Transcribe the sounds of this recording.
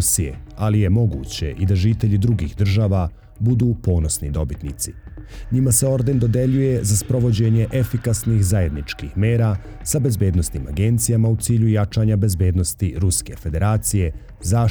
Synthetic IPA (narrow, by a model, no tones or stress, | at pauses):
sijḛalije̞mo̞ɡṵːt͡ɕe̞̰ʔid̪aʒiːt̪e̞ʎid̪ɾuɡixd̪r̩ʒaːʋa | bud̪uːpo̞ːno̞snid̪o̞bit̪nit̪siɲimase̞o̞ɾd̪e̞nd̪o̞d̪e̞ʎuje̞zaspɾo̞ʋo̞d͡ʑe̞ɲe̞ʔe̞fikasnixzaje̞d̪nit͡ʃkixme̞ːɾa | sabe̞zbe̞ːd̪no̞sniːma̰ɡe̞nt̪sijamaut̪siːʎujat͡ʃaːɲabe̞zbe̞ːd̪nost̪iɾuske̞fe̞d̪e̞ɾaːt̪sije̞ | zaː